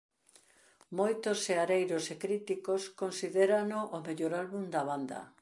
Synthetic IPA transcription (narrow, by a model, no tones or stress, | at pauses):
mojt̪ʊseaɾejɾʊsekɾit̪ikoskonsiðeɾanoʔomeʎoɾalβund̪ɐβand̪ɐ̰